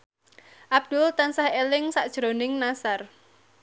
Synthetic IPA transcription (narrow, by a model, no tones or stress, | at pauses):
ʔab̚d̪̥ʊlt̪ansahelɪŋsaʔd̥ʒ̥ɾonɪŋnasar